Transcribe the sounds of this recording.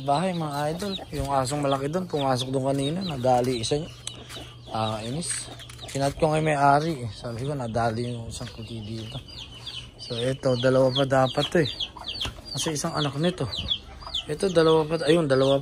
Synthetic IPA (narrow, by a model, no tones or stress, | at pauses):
baːɦɐjmɐŋaʔajd̪oljʊŋʔaːs̬oŋmɐlɐkɪd̪onpʊmaːsok̚d̪ʊŋkɐniːnanɐd̪aːliɪsɐŋ | aʔinɪs | pɪnɐt̪̚koŋɐjmɐjʔaːɾiʔɛsaːbɪkonɐd̪aːlɪjʊŋɪsaŋpʊt̪id̪iːt̪o̞ | soʔɛt̪o̞d̪ɐlɐwap̬ɐd̪aːpɐt̪ːoɛ | kɐsɛʔɪsaŋɐnaknɐt̪o̞ | ʔɛt̪o̞d̪ɐlɐwapɐɐjond̪ɐlɐwa